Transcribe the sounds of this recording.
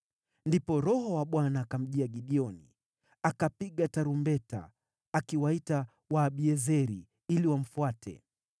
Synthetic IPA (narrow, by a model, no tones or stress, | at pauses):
ndipɔɾɔhɔwaɓwanaːkam̩ʄiaɡiɗiɔnḭ | akapiɠataɾumbɛta̰ː | kiwaita | waːɓiɛzɛɾḭ | iliwam̩fuatʰɛ̰